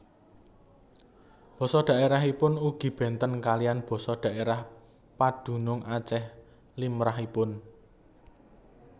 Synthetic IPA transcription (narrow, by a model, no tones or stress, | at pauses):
b̥ɔ̤sɔɖ̥ä̤ʔeɾaɦipʊnuɡ̥i̤b̥ɛ̤nt̪ənkalijanb̥ɔ̤sɔɖ̪̥ä̤ʔeɾah | pad̥ṳnʊŋʔat͡ʃɛh | limɾaɦipʊn